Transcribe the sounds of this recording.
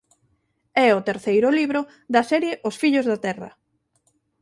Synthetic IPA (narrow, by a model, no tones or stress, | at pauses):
ɛʊt̪eɾθejɾʊliβɾʊ | ðɐsɛɾjeʔʊsfiʎʊzðɐt̪ɛrɐ̰